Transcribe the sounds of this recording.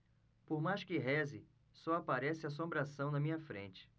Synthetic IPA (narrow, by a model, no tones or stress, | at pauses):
poɾmajʃkɪɦɛzɪ | sɔapaɾɛsɪas̬õmbɾasɐ̃w̃nɐmĩɲɐfɾḛ̃nt͡ʃɪ̥